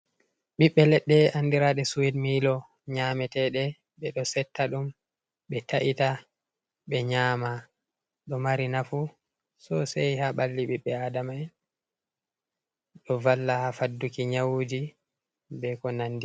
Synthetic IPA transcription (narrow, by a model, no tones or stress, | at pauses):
ɓiɓːɛlɛɗːɛʔandiɾaɗɛsuwidmilɔ | ɲamɛtɛɗɛ | ɓɛɗɔsɛtʰːaɗum | ɓɛtaʔita | ɓɛɲaːma | ɗɔmaɾinafu | sɔsɛjhaɓalːiɓiɓːɛadamaj | ɗɔvalːahafadːukiɲawud͡ʒi | bɛkɔnandi